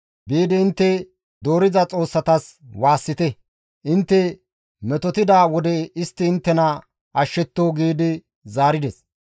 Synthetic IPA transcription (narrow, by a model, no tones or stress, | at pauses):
biːd̪ɪɪnt̪ːɛ | d̪o̞ːɾɪzɐt͡sʼo̞ːsːɐt̪ɐswaːsːɪt̪ɛ | ʔɪnt̪ːɛ | mɛt̪ɔt̪ɪd̪aːwɔd̪ɛɪst̪ːɪːnt̪ːɛnɐ | ɐʃːɛt̪ːoːɡiːd̪ɪ | zaːɾɪd̪ɛs